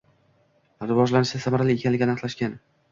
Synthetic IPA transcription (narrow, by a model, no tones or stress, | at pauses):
ɾɪvɒʒlanɪʃd̪asamaɾalɪekʲʰanlɪɡʲɪanɑqlˠaʃkʲan